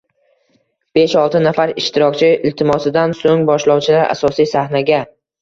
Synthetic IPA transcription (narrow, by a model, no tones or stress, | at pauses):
b̥eʃɒlˠt̪ɪnafaɾɪʃt̪ɪɾɒkʲt͡ʃʰɪɪlt̪ʰɪmɒsɪd̪ansoŋbɒʃlɒwt͡ʃʰɪlaɾʔa̰sɒsijsahnaɡʲa